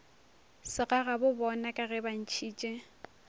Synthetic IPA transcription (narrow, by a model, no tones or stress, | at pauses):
sɪɣaɣabʊbɔnakʼaɣɛban̩t͡ʃʰiːt͡ʃʼe